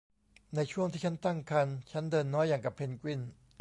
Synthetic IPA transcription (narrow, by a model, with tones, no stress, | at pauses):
na˧jt͡ɕʰu˥˩əŋt̪ʰiː˥˩a˦˥nt̪a˥˩ŋkʰa˧nt͡ɕʰa˦˥ndɤː˧nːɔː˦˥jːaː˨˩ŋka˨˩pʰːe˧nkwi˥˩n